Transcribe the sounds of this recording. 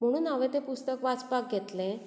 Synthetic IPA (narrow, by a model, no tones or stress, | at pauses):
m̤əɽ̃uːnaʋẽt̪epust̪əkʋat͡spak̚ɡʱet̪lẽ